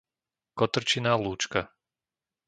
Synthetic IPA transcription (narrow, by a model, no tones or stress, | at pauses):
kɔt̪r̩t͡ʃinaːluːt͡ʃka